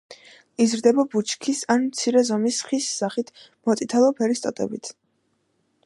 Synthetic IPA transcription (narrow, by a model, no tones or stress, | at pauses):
izɾd̪ɛbabut͡ʃʰkʰisanmt̪sʰiɾɛzɔmisχisːaχit̪ʰ | mɔt̪sʼit̪ʰalˠɔpʰɛɾist̪ʼɔt̪ʼɛ̰bit̪ʰ